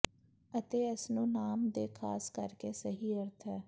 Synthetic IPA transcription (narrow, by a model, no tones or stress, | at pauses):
ət̪eːəsnũːnaːmd̪eːkʰaːskəɾkeːsəɦiːəɾt̪ʰɦɛː